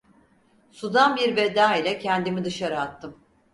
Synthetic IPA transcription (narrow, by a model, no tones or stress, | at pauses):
sud̪anbiɾved̪aːilʲɛcʰɛnd̪imid̪ɯʃaɾɯat̪ʰːɯm